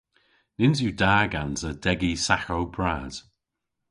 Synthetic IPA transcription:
nɪnzjudaːɡanzəd̥ɛɡisaxowbɹaːz̥

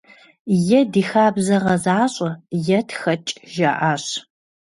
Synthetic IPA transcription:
jɛdiːxaːbzɐʁɐzaːɕʼɐjɛtʰxɐt͡ʃʼʒa̰ʔaːɕ

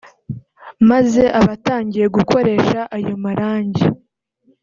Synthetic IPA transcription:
maze̞ʔaβataːɲɟije̞ɡuko̞ɾe̞ʃaʔajomaɾaːɲɟi

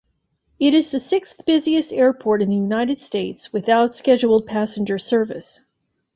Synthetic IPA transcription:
ɪɾɨzðɨsɪksθb̥ɪziɨstɛɹpʰɔɹɾɨ̃nðɨjʉnaɪɾɨd̥steɪtswɨθaʊtskɛd͡ʒul̩ˠd̚pʰæsɨ̃n̩d͡ʒə˞sɜ˞vɨs

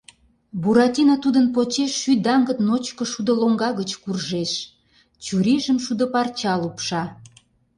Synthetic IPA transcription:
buɾɑt̪ʲinot̪ud̪ənpot͡ɕeʃːyd̪ɑŋɡət̪not͡ɕkoʃud̪əloŋɡɑɣət͡ɕkurʒeʃ | t͡ɕuɾiʒəmʃud̪ə̆pɑrt͡ɕɑlupʃɑ

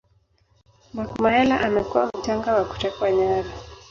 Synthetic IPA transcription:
makumaɛlaʔamɛkuwam̩t͡ʃaŋɡawaku̥tɛkwaɲaɾa

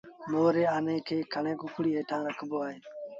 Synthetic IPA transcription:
moːɾeːaːnẽːkʰeːkʰəɳẽːkʊkʰɽiːeːʈʰãːɾəkʰboːaːɦeː

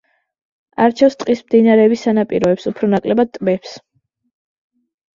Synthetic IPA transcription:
aɾt͡ʃʰɛfst̪ʼqʼismd̪inaɾɛːbisanapʼḭɾɔɛpsupʰɾɔnakʼlɛbad̪̚t̪ʼmɛps

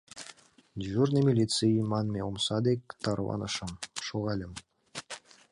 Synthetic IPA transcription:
ʒurnəmʲilʲit̪t͡sɨjmɑnmʲeomsɑd̪ekʲt̪ɑrwɑ̰nɤ̰ʃɤmʃoɣɑlʲə̆m

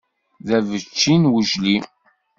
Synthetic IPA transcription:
ðævət͡ʃːinwəʒli

